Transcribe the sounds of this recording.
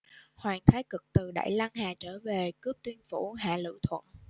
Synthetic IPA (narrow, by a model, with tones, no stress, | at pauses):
hwaː˨˩ŋt̪ʰaː˨˦jkɨ˨˩k̚t̪ɨ˨˩ɗa̰ː˧˨jla˧ŋhaː˨˩t͡ɕəː˧˩ve˨˩kɨ˦˥əp̚t̪wi˧ənfu˧˩ɦa̰ː˧˨lɨ̰˧˨t̪ʰwə̰˧˨n